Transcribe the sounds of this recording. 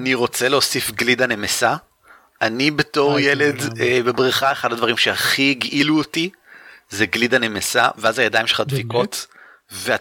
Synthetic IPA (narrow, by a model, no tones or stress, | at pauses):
aniʁo̞t͡seleo̞sifɡlidanemesa | ʔanibeto̞ʁjeledebebʁiχaeχadadvaʁimʃeaχiɡʔiluoti | zeɡlidanemesa̰veazajadaimʃelχadviko̞t | vea